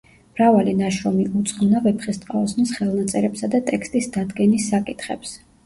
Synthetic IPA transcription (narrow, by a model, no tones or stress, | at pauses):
mɾavalinaʃɾɔmiut̪sʼχʼmnavɛpʰχɛst̪ʼqʼaɔsnisχɛlˠnat̪sʼɛɾɛpsad̪at̪ʼɛkst̪ʼisd̪ad̪ɡɛnisːakʼit̪ʰχɛ̰ps